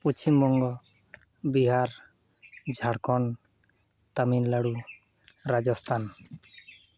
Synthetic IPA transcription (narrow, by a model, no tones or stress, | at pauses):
put͡ʃimɔŋɡɔ | biɦaɾ | d͡ʒʱaɽkɔn | t̪aminlaɽu | ɾad͡ʒɔst̪ʰan